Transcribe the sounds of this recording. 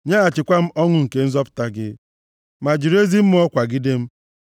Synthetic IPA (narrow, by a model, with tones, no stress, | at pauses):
ɲa˦a˨t͡ʃɪ˨kʷa˦m̩˦ɔ˦ŋʊ˨ŋ̩˨ke˨n̩˦zɔ˦pʊ̥˨ta˦ɡɪ̰˦ | ma˨d͡ʒi˨ɾe˦zi˦m̩˦m˦ɔ˦kʷa˨ɡɪ˦de˦m̩˦